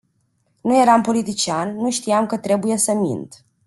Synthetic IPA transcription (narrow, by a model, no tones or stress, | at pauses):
nuje̞ɾampo̞lit̪it͡ʃiannuʃt̪iamkət̪ɾe̞buje̞səmḭnt̪